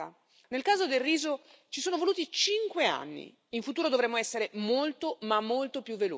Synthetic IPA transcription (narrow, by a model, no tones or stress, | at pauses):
a | nelkaːzod̪elriːzot͡ʃi̥soːnovoluːt̪it͡ʃiŋkwea̰nːḭ | iɱfut̪uːɾod̪ovɾemːoɛsːeɾemolt̪omamːolt̪opjuvːelo̰